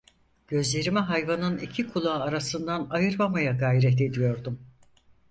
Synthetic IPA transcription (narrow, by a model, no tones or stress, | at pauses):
ɟ̥ø̞zlʲe̞ɾimiɦajvanɯnicʰikʰulˠaːɾasɯnd̪anajɯɾmamajaɡajɾɛt̪e̞d̪ijo̞ɾd̪um